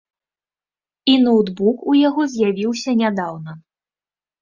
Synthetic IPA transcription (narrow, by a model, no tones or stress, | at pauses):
inowd̪bukujaɣɔzʲjavʲiwsʲɐnʲad̪awnɐ